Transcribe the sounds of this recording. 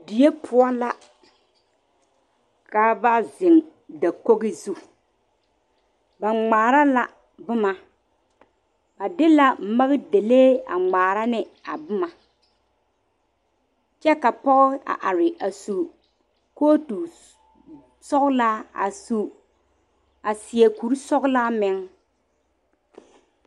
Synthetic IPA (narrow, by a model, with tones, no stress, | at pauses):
di˨je˦pʰʊ˦ɔ˦la˦ | ka˦ba˦zɪ˨ŋda˨ko˦ɣɪ˦zu˦˨ | ba˨ŋ͡maː˨ɾa˦la̰˦ | bʊ˦ma˦ | ba˨dɪ˦la˦m̩˦ma˦ɣɪ˦de˨leː˦a̰˨ŋ͡maː˨ɾa˦nɪ˦ | a˨bʊ˦ma˨ | t͡ʃɛ˦ka˨pɔ˦ɣɪ˦a̰˨ʔa˨ɾɪ˨ʔa˨su˨ | koː˦tu˨ | sɔ˦ɣʊ˦laː˦a̰˨su˨ | a˨sɪ˨ɛ˨ku˨ɾu˦sɔ˦ɡʊ˦laː˦mɪ˨ŋ